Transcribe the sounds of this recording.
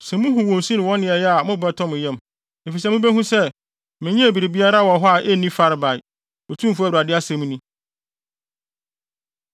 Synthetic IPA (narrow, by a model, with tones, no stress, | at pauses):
sɛ̃˨mũ˦ɦʊ̃˨wɔ̃˨n˨sĩ˦nɪ̃˨wɔ̃˦nːɪ̃˨ɛ˨jɛ˦a˨mʊ̃˦bɛ˦tʰɔ̃˦mɪ̃˨jɛ̃˦m | e˨fi˨s̬ɛ˦mʊ̃˦bɛ˦ɦũ˦sɛ˦ | mɪ̃˨ɲɛ̃˦˨bi˨ɾi˨bi˦a˦ɾa˦wɔ˨ɦɔ˦a˨ʔɛ˦nĩ˦fa˦ɾɪ˨˦ba˨ɪ˨ | ɔ˨tʰũ˦mfu˦a˦˨ɾu˨a˨dɪ˦a˦sɛ̃˨˦m̃˦nĩ˦